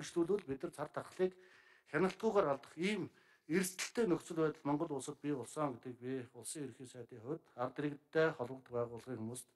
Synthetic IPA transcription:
ɵt͡ɕɮuːɮɘ̆ɮpet̪ɘ̆rt͡sʰart̪ʰaχɮiːk | xʲænə̆ɬt̪̚ɡuːʁaːɾaɮt̪ə̥̆χiːm | erst̪ɘ̆ɬt̪ʰeːnɵkt͡sɵ̆ɮpæːt̪ə̆ɮmɔɴɢɞ̆ɮʊɮsə̆t̪̚pʲiʊɮsɔːŋɡet̪ɡiːk̚pʲiʊɮsiːŋɵɾxiːsæːt̪iːŋχʊw̆ʲt̪aɾ̆t̪iɾɘ̆t̪ːeːχɔɮwə̆k̚t̪ə̆kpæːʁʊːɮʁiːŋxumuːst̪

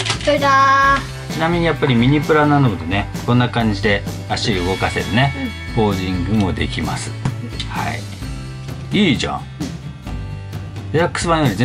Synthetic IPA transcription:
soid̪a | t͡ɕinamʲiɲ̟ijapːaɾʲimʲiɲ̟ipɯ̟ɾananod̪e̞ne̞kõ̞nːakãɲ̟d͡ʑid̪e̞ | aɕiɯɡo̞kase̞ɾɯ̟ne̞ | ko̞ːʑĩŋɡɯ̟mo̞d̪e̞̰kʲima̰sɨ̥ha̰ḭ | iːʑã̰ | ɾedakːɯ̟̥sɨmãñjoɾʲize

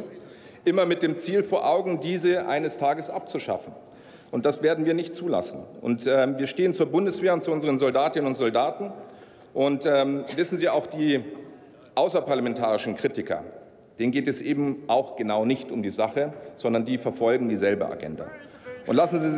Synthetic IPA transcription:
ʔɪmɐmɪt̚d̥eːmt͡siːlfoːɐʔaʊɡŋ̩diːzəʔa̰ɪnəstʰaːɡəsʔap̚t͡suʃa̰fn̩ | ʔʊnt̚d̥asv̥eːɐdn̩viːɐnɪçtt͡suːla̰sn̩ʔʊ̰ntɛːviːɐʃteːənt͡suːɐbʊndəsv̥eːɐʊntt͡suʔʊnzəʁ̞ənzɔldaːtɪnənʊntz̥ɔldaːtn̩ | ʔʊntɛːmvɪsn̩ziːaʊxd̥iː | ʔaʊsɐpʰaɐlamɛntʰaːʁɪʃn̩kʁ̥itɪkɐ̰ | d̥eːnɡeːtɛsʔeːbm̩ʔaʊxɡ̥ənaʊnɪçtʊmdiːzaχəz̥ɔndɐndiːfɛɐfɔlɡŋ̩diːzɛlbə̰ʔa̰ɡɛ̰nda̰ | ʔʊntlasn̩ziːz

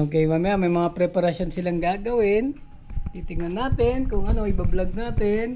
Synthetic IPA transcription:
okɛjmamamɐjmɐŋapɾɛpɐɾɐsjo̞nsɪlaŋɡaːɡɐwɪn | t̪it̪ɪŋɐnːaːt̪ɪnkʊŋɐno̞ɪbablaɡ̚naːt̪ɪn

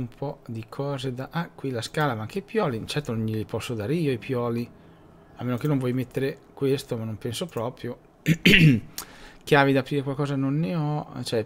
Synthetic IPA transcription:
umpʰɔd̪ikʰɔːzed̪aʔakwilaskaːlamaaŋkeipjɔːlint͡ʃɛrt̪onõnjilipɔsːod̪aːɾeiːoipʰjɔːli | almeːnokenõɱvwɔjmet̪ːeɾekwest̪omanompɛnsopɾɔːpɾjo | k̟eaːvid̪apːɾiːɾekwalkɔːzanonːeɔt͡ʃoɛ

